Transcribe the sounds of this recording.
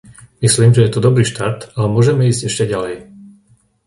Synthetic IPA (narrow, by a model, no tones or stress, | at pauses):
misliːmʒɛjɛt̪ɔd̪ɔbɾiːʃt̪aɾt̪alɛmʊɔʒɛmɛiːzɟɛʃcɛɟalɛj